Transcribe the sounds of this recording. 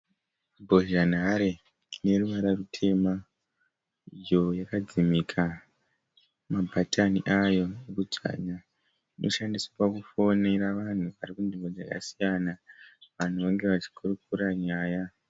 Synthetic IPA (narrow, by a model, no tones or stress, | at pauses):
bʱo̞ʒanaɾe | ne̞ruʋaɾarutʰe̞ma | ijo̞jakad͡zimikʰa | mabʱataniʔajo̞nekud͡za̰ɲa | inʔo̞ʃandisapakufo̞ne̞ɾaʋan̤uʋarikundimbo̞d͡zaka̰sijanaʋan̤uʋaŋɡe̞ʋat͡ʃi̥kurukuɾaɲaːja